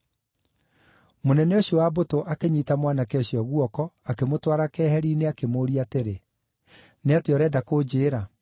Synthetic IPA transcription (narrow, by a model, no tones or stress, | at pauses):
monɛnɛoɕjɔwabotoʔakeɲitamwanakɛɔɕijɔɣuɔkɔakemotwaɾakɛːhɛɾiːneakemoːɾiateɾe | neateɔɾɛːdakoːd͡ʑeːɾa